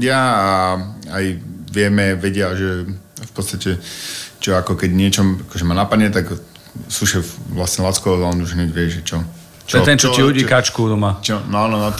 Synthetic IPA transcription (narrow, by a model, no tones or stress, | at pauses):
ɪaaajʋɪɛmɛʋɛɟɪaʒɛfpɔt͡st̪acɛt͡ʃɔakɔkɛɟɲɪɛt͡ʃɔakɔʒɛmaːnapad̪ɲɛt̪ak | suʃɛʋlasɲɛlaːskɔɔzaɔnd̪uʃɛɲɛʋɪɛʒɛt͡ʃɔ | t͡ʃɔɛt̪ɛnt͡ʃɔiluɟiːkat͡ʃkud̪ɔmat͡ʃɔnɔanɔnɔ